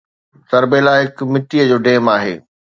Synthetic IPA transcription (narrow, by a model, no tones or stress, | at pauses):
sɐɾbelaːɦɪkmɪʈiːəd͡ʑoːɖeːmaːɦḛː